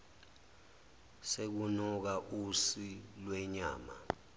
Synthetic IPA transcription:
sek̬unɔk̬aʔusilwɛɲa̰ːma̰

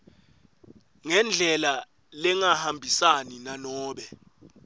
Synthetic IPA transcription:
ŋɛnd͡ɮʱɛla | lɛŋahambʱisaninanɔːɓɛ

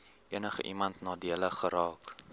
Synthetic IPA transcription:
ʔiənəχə̰ʔimɐntnɑːdiələχəɾɑːk

